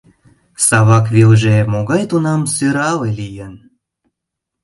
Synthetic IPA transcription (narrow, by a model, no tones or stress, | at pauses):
sɑβɑkβilʒemoɣɑjt̪unɑmsøɾɑlelijən